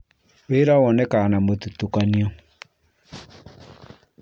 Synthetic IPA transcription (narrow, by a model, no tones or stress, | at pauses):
weɾawɔnɛkanamotutukaniɔ